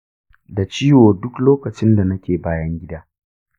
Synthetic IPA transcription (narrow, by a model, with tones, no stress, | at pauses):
da˨t͡ʃiː˦woː˨dʊ˦kloː˦kɐ˨t͡ʃɪ˦nda˨nɐ˦kʲeː˨baː˦jɐ˦ŋɡʲɪ˦daː˦